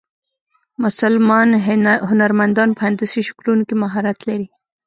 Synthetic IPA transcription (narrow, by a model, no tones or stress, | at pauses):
mʊsalmɑnɦʊnaɾmand̪ɑnpand̪asiʃʊ̥kɾunkemaɦɑɾat̪laɾi